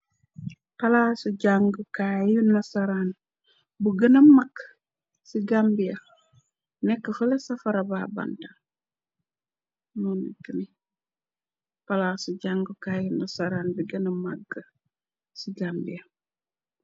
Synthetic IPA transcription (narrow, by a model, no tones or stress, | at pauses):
pɐlaːsuɟaŋɡəkaːjunɐsaɾaːn | buɡənɐmaɡ | siɡambijɐ | nɛkːəfəlɛsɐfɐɾabaːba̰nta | nɔːniɡəni | palaːsuɟaŋɡəkaːjunɐsaɾaːnbiɡənɐmaɡːɐ | siɡaːmbiɐ